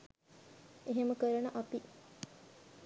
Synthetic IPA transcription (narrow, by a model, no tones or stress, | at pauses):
eɦeməkəɾənəʔat̪i